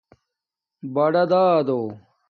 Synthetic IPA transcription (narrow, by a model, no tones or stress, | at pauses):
bɐɖɐd̪aːd̪oː